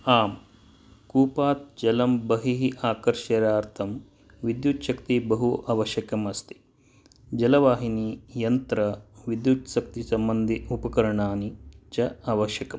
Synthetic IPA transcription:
aːm | kuːpaːt̪̚d͡ʒɐlɐmbɐɦiɦiʔaːkɐɾʃɐɾaːɾt̪ʰɐm | ʋid̪jut̪ʃɐkt̪ibɐɦuʔaːʋɐʃjɐkɐmɐst̪i̥ | d͡ʒɐlɐʋaːɦiniːjɐnt̪ɾɐʋid̪jut̪ʃɐk̚t̪isɐmbɐnd̪iupɐkɐɾɐɳaːnit͡ʃɐaʋɐʃjɐkɐm

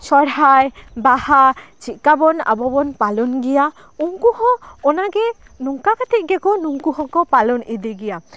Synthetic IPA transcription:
sɔɽɦajbahat͡ʃit̪̚kabɔna̰bɔbɔnpalɔnɡɛja | uŋkuhɔɔnaɡɛ | nuŋkakat̪ʰiʔ̪̚ɡɛkɔnuŋkuɦɔkɔpalɔnid̪iɡɛja

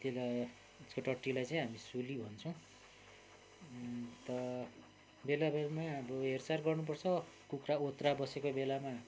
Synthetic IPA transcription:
t̪ela | uskoʈʌʈːilajt͡saĩɦamisulibʱʌnt͡sʰʌ̃w̃ | t̪ʌ | belabmaʌbʌɦert͡sarɡʌrnup̬ʌrt͡sʰʌ | kukraot̪rabʌsekobelama

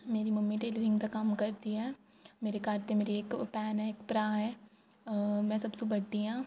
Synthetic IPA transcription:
meːɾimɐmːiʈeːləɾɪ̃ŋɡd̪akɐmkɐɾt̪iɦɛː | meːɾekaːɾt̪emeːɾieːkpɛːnɦɛeːkpɾaːɦɛː | mɛ̃ːsɐbsubɐɽiɦãː

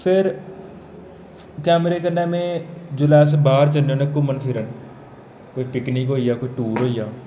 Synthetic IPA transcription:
pʰɪɾ | kɛːmɾeːkəɾneːmẽːd͡ʒʊlaːs̬baːɾt͡ʃəlõːnẽkʊmənpʰɪɾən | koipɪknikɦoːijaːkoːiʈuːɾɦoːijaː

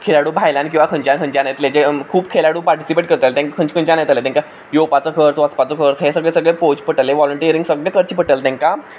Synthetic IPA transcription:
kʰelaɽuːbʱajlãnk̬ĩw̃ʋakʰə̃ɲt͡ɕãnkʰə̃ɲt͡ɕãnajt̪led͡ʑekʰuːp̚kʰelaɽuːpaɾʈi̥sipeʈkəɾt̪alet̪ɛ̃kkʰə̃ɲt͡ɕkʰə̃ɲt͡ɕãnajt̪alet̪ɛ̃ŋka | jopat͡səkʰəɾt͡sʋəspat͡səkʰəɾt͡sɦesəɡɭesəɡɭepod͡ʑpəʈəleʋɔləɳʈiɾĩŋɡsəɡɭekʰəɾt͡ɕiːpəʈəlt̪ɛ̃ŋka

